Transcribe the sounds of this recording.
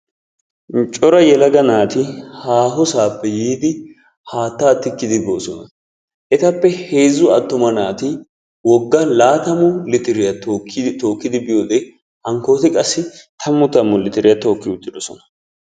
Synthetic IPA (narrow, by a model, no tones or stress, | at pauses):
t͡ʃʼɔɾɐjɛlɐɡɐnaːt̪ɪhaːɦɔsaːpːɛjiːd̪ɪ | haːt̪ːaːt̪ːɪkːɪd̪ɪboːsɔnɐ | ʔɛt̪ɐpːɛheːzːʊɐt̪ːʊmɐnaːt̪ɪ | wɔɡːɐlaːt̪ɐmʊlɪt̪ɪɾɪjɐt̪okt̪o̞ːkːɪd̪ɪbɪjoːd̪ɛ | hɐŋko̞ːt̪ɪkʼɐsːɪt̪ʰɐmːʊt̪ɐmːʊlɪt̪ɪɾɪjɐt̪o̞ːkːɪʊt̪ːɪd̪ɔsɔnɐ̥